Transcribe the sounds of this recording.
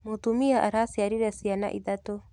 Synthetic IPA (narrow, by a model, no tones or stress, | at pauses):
mot̪umijaʔaɾasijaɾiɾɛsijana̰ʔḭd̪at̪o